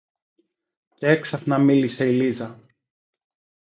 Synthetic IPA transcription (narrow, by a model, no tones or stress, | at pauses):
ceeksɐθnɐmilise̞ilizɐ